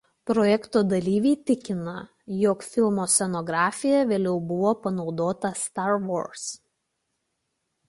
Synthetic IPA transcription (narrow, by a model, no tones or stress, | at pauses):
pɾoːjɛkt̪oːd̪ɐlʲiːʋʲɛt̪ʲɪkʲɪnɐ | jɔkfʲɪlˠmoːsʲɛnoɡɾɑːfʲɪjɛʋʲeːlʲɛʊbʊʋoːpɐnɒʊd̪oːt̪ɐst̪ɑɾʋo̰ːɾs